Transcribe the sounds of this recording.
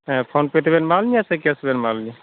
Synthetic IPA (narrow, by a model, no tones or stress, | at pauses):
ɛ̃pʰonpet̪ʰbɛnmalmiasekɛsbɛnmalmi